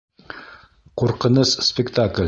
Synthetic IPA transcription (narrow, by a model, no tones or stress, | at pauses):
quɾqɤ̆nɤsspʲɪkt̪aklʲ